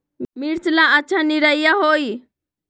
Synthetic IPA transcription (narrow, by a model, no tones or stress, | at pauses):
miɽt͡ʃlãətːʃʰaniɾəijaːɦoːiː